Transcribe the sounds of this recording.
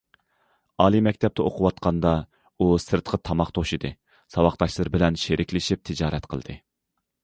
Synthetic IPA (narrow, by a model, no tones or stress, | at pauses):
ɑːlˠimɛkʲt̪ʰɛp̚t̪ɛoqʰʊwɑt̪qʰɑnd̪ɑ | usɨɾt̪qʰət̪ʰɑmɑχt̪ʰoʃid̪ɨ | sɑwɑχt̪ɑʃlˠɨɾbɪlɛnʃeɾʔɪkʲlɪʃip̚t̪ʰɪd͡ʒɑːɾɛt̪qʰəlˠd̪̥ɨ